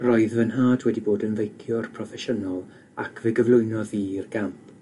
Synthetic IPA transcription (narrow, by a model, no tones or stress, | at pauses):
rɔɨðvənɦaːdwɛdiboːdənvejkʰjɔrpʰrɔfɛʃənɔlˠ | akʰvɪɡəvlˠʊɨnɔðirɡampʰ